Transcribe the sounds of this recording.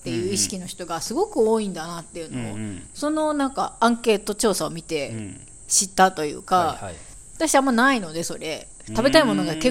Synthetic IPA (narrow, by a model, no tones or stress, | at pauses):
t̪ːe̞jɯ̟ːiɕi̥kʲino̞çʲi̥t̪o̞ɡasɨɡo̞kɯ̟oːĩnd̪anat̪ːe̞jɯ̟no̞o̰so̞no̞nãŋka̰ãŋke̞ːt̪o̞t͡ɕo̞ːsao̞mʲit̪e̞ | ɕit̪ːat̪o̞jɯ̰ːka | at̪aɕiamːanaino̞d̪e̞so̞ɾe̞ | t̪abe̞t̪aimo̞no̞ɡake̞